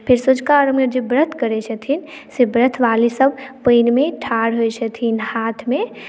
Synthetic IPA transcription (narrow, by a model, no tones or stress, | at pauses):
pʰeɾsəd͡ʒkaɾəmed͡ʒebɾət̪ʰkəɾɛt͡ʃʰət̪ʰin | sebɾət̪ʰʋalisəbpəjnmeʈʰaɾɦojt͡ʃʰət̪ʰinhat̪ʰme